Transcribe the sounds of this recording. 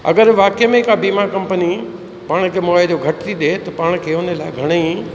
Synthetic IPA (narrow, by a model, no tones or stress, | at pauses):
ɐ̰ɡəɾʋaːkijəmẽɪkabiːmakɐ̃mpəni | paːɽ̃kʰeːmoːjd͡ʑoɡʱɐʈɪt̪ʰiɗ̪et̪ɐpaːɽ̃kʰeːʊnə̆laːɪɡʱɐɽ̃əi